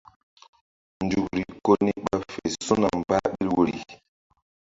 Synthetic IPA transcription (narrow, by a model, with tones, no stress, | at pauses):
n˨du˨kɾi˨ko˦ni˦ɓa˦fe˨su˦na˨mba˦ɓi˦ɾwo˦ɾḭ˨